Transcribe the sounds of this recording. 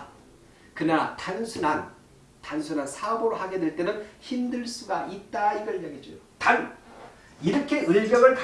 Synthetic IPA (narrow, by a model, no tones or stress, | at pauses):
kɯnaatansʰunan | tansʰunansʰaboɾohaɡe̞dweɭt͈e̞nɯnçimdɯɭs͈uɡaʔit̚t͈aiɡʌɭːʌɡed͡ʑojotan | iɾʌkʰe̞ɯɭbjʌŋɯɭka